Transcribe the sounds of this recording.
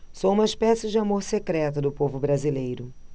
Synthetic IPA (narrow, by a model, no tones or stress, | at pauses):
soũmɐiʃpɛsɪd͡ʒɪamoɾsekɾɛt̪ɐd̪ʊpovʊbɾazilejɾʊ